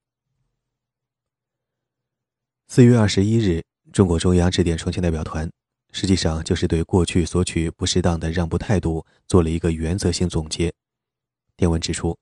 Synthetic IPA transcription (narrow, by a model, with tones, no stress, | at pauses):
sɹ̩˥˧ɥɛ˥˧ɐ˞˥˩ʂɻ̩˧˥i˥ɻ̩˥˩ | ʈ͡ʂʊ˥ŋkwɔ˧˥ʈ͡ʂʊ˥ŋjɑ˥ŋʈ͡ʂɻ̩˥˩t̪jɛ˨˩nʈ͡ʂʰt͡ɕi˧˥n˥˩pjʊt̪ʰwa˧˥n | ʂɻ̩˧˥t͡ɕi˥˧ʂɑ˥˧ŋt͡ɕjo˥˧ʊʂɻ̩˥˧t̪we˥˧ɪkwɔ˥˧t͡ɕʰy˥˩swɔ˧˥t͡ɕʰy˨˩pu˧˥ʂɻ̩˥˧t̪ɑ˥˩ŋd̪ə˩ɻɑ˥˧ŋpu˧t̪ʰa˥˧ɪt̪u˥˧ | t͡swɔ˥˩lə˩i˧˥ɡə˧ɥɛ˧˥nt͡sɤ˧˥ɕi˥˩ŋt͡sʊ˨˩ŋt͡ɕjɛ˧˥ | t̪jɛ˥˩nwə˧˥nʈ͡ʂɻ̩˨˩ʈ͡ʂʰu˥